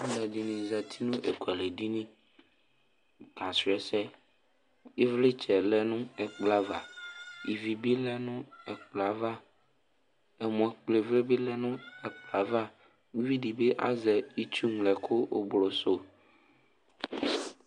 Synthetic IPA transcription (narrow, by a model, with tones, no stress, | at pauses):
lɛ˨ɖi˨nĩ˨zɛ˨t̪ʰi˦nũ˦ʔe˨ko˨ɛ˨le˨ɖi˦nĩ˦ | ka˨su˨ɛ˦sɛ˦ | e˦vle˦t͡ʃɛ˨lɛ˦nũ˦ɛ˨k͡pla˦va˨i˨vi˨bi˦lɛ˦nũ˦ɛ˨k͡pla˨va˦ | e˨mɔ̃˨k͡ple˨ve˦be˦lɛ˦nũ˦ɛ˨k͡pla˨va˦ | ŋũ˦vi˦ɖi˨be˦ʔa̰˦zɛ˨i˦t͡ʃu˦ŋlɛ˨kʰo˦o̰˦blo˨so˦